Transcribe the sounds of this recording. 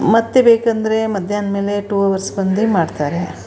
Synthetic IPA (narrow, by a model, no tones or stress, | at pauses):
mɐt̪ːebeːkɐnd̪ɐɾemɐd̪ʱjaːnmeːleʈuːɐʋɐɾsbɐnd̪imaːɖt̪aːɾe